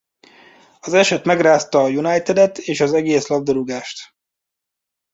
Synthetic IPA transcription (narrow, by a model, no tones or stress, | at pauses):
ɒzɛʃɛt̪mɛɡraːst̪ɒːjunajt̪ɛd̪ɛt̪eːʃɒzɛɡeːslɒb̚d̪oɾuɡaːʃt̪